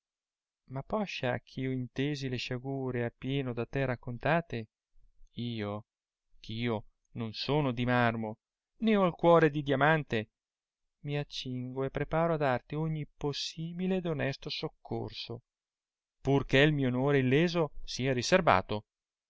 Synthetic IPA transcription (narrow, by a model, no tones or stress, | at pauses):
mapːɔʃːak̟ʰːioint̪eːzileʃaɡuːɾeapːjɛːnod̪at̪ːɛrakːont̪aːt̪e | iːo | k̟ʰiːo | nonsoːnod̪imarmo | neɔlkwɔːɾed̪id̪jamant̪e | miat͡ʃːiŋɡoepːɾepaːɾoad̪art̪ioɲːiposːiːbiled̪onɛst̪osokʰːo̰rso | purkeilmiːoonoːɾeilːeːzosiːaɾiserva̰ːt̪o